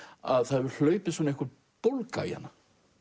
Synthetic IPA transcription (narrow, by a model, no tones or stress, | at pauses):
aðθaðvʏɾl̥œːɥpɪsɔnɪehkʏɾ | powlka̰j̰a̰nːa